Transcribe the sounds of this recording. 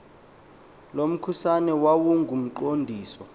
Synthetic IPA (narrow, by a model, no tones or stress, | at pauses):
lom̩kʰusanɛwawuŋɡʱum̩ǃondʱiːsɔ